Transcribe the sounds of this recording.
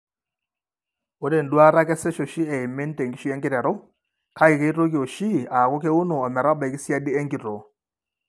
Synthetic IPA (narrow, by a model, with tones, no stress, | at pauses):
o˦ɾe˨n̩˨dwa˦ɾa˦kɛ˦sɛ˦ʃo˨ʃi˦ɛ˨ɪ˨me˦n˦te˨ŋɡi˦ʃi˦ɛ˦ŋɡɪ˦ɾɛ˨ɾo˦ | ka˦ɪ˨ke˦i˦to˦ki˨o˨ʃi˦a˨ko˦ke˦u˦no˨ɔ˨mɛ˨ɾa˦ba˨ɛ˨kɪ˦sja˦di˦ɛ˦ŋɡi˨ɾo˨